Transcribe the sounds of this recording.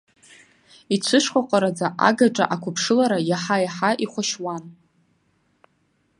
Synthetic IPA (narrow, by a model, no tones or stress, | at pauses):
it͡sʷʰɨʂχʷaqʷʼaɾad͡zaʔa̰ɡaʈ͡ʂʼa̰ʔakʷʰʊpʰʂɨlaɾajaħajaħaʔiχʷaʃwan